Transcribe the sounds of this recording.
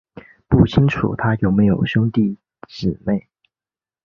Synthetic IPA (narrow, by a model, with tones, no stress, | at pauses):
pu˥˩t͡ɕʰi˥ŋʈ͡ʂʰṵ˨˩t̪ʰa˥jo˥˩ʊme˧˥ɪjo˨˩ʊɕjʊ˥ŋt̪i˥˩ | ʈ͡ʂɻ̩˨˩ne˥˩ɪ